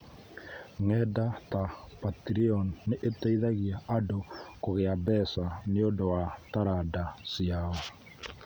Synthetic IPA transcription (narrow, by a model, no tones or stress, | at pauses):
ŋɛdata | patɾiɔnːeʔetaiðaɣiaʔːdokoɣeabɛsaneodowataɾadasiaɔ